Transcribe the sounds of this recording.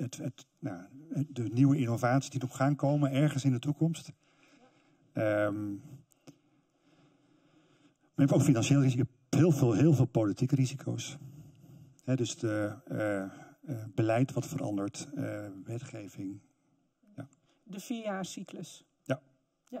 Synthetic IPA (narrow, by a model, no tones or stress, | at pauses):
ətət | nadəniwəɪnovaːtsisdinɔχχaːnkowmənɛɹχənsɪndətukɔmst | əm | maɛbowkfinɑnʃeːlˠiz | hɪːlˠvɪːlˠɦɪːlˠvɪːlˠpolitikrizikʰo̰ws | hɛdøsdə | bəlɛjtʋɑtfərʔɑ̰ndəɹtʋɛtχejvɪŋ | ja | dəfiaːsikləs | ja